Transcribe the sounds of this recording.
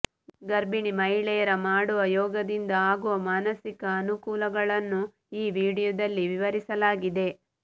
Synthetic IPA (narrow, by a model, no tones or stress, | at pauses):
ɡɐɾbiɳimɐɦiɭɛjɐɾɐmaːɽuʋɐjɔːɡɐd̪ind̪ɐaːɡuʋɐmaːnɐsikɐːnukuːlɐɡɐɭɐnːu | iːʋiːɽijɔd̪ɐlːiʋiʋɐɾisɐlaːɡid̪e̞